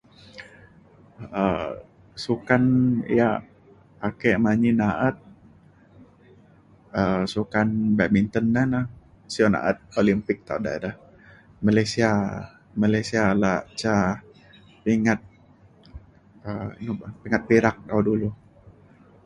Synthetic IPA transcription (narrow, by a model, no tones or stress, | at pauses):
ə | sukanija | pakemaɲinaʔət̪̚ | əsukanbamint̪əndana | siona̰ʔə̰t̪̚olimpɪk̚t̪a̰uda̰ḛdah | malajsia | malajsialaʔt͡ʃa | piŋat̪̚ | ənupiŋat̪̚piɾak̚t̪awdulu